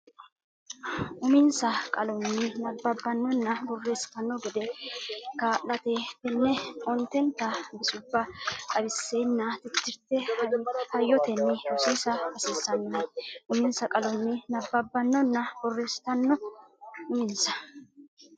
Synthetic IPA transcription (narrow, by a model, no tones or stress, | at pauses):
ʔʊmɪnsɐkʼɐlɔnːɪnɐbːɐbːɐnːɔnːɐbɔrːe̞ːst̪ɐnːɔɡɛd̪ɛkaːʔɐt̪et̪ɛnːɛɔnt̪ɛnt̪ːɐbɪsʊbːɐkʼɐbɪsːeːnːat̪ɪt̪ːɪɾt̪ːɛhɐjːɔt̪ɛnːɪɔsisɐɐsiːsɐnːɪnɐʔʊmɪnsɐkʼɐlɔnːɪnɐbːɐbːɐnːɔnːɐb̥ɔrːeːst̪ɐnːɔ | ʊmɪnsɐ̥